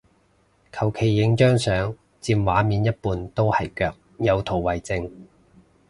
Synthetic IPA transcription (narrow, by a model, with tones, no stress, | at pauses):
kʰɐ˨˩wkʰe˨˩jːɪ˨˥ŋt͡ʃœː˥ŋsœː˨˥ŋ | t͡siː˧mwaː˨˥miː˨˧njɐ˥t̚puː˨˧nt̪o˥whɐ˨˩jkœː˧k̚jɐ˨˧wt̪ʰo˨˩wwɐ˨jt͡sɪ˧ŋ